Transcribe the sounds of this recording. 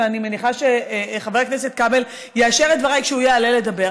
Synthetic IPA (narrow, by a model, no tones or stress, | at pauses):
animeniχaʃeχavekneset̪̚kabel | jeaʃeʁetd̪vaʁajkʃeujealele̞dabe